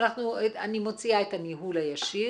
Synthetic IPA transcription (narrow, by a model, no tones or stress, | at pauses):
naχnuanimo̞t͡siaet̪aniɦulajaʃi